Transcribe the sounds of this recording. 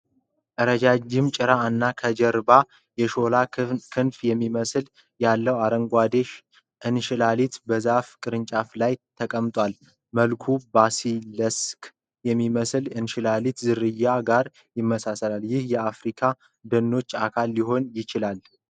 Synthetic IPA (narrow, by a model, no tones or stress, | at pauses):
ʔəɾəd͡ʒad͡ʒɪmt͡ʃʼɪɾanːakʰəd͡ʒɛɾba | jɛʃo̞lakʰɨnfjɛmːiməsl | jalːəwaɾəŋɡʷad̪eʃ | ʔɨnʃɪlalit̪bəzafkʼɨɾɨnt͡ʃʼaflajt̪ʰəkʼəmt̪ʼwal | məlkʰubasiləsk | jɛmːiməslɨnʃɪlalit̪zɨɾɨjːaɡaɾ | jɪmːəsasəlaljɪhjɛafɾikʰa | d̪ənːo̞t͡ʃːakʰalːiɦo̞njɪt͡ʃɪlal